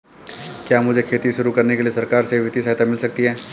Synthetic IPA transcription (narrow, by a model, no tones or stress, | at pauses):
kjaːmʊd͡ʒʱekʰeːt̪iʃʊɾukɐɾnekeliesɐɾkaːɾseʋɪt̪is̬ɐɦt̪amɪlsɐk̚t̪iɦɛː